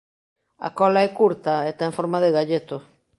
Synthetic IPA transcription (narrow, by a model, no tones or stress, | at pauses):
a̰kɔlaɛkuɾt̪aet̪aẽɱfoɾmaðɪɣaʎet̪o